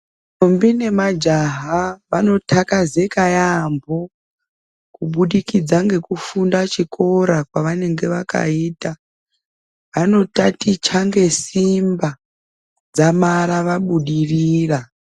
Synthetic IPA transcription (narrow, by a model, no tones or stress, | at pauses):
tombine̞mad͡ʒaɦaʋano̞tʰakaze̞kajambo̞ | kuɓuɗikid͡zaŋɡe̞kufundat͡ʃikʰo̞ɾakwaʋane̞ŋɡe̞ʋaka̰iːta | ʋano̞tatit͡ʃaŋɡe̞simba | d͡zamaɾaʋaɓuɗiriːra